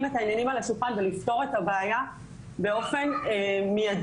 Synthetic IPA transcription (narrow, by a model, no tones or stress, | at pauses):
metaːnjanimalaʃuχanvelift̪o̞ʁe̞tabeːja | beo̞fe̞nmijad